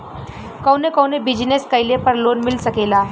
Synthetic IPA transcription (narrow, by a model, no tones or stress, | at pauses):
kəwnekəwnebid͡ʑneskəjlepəɾlonmilsəkela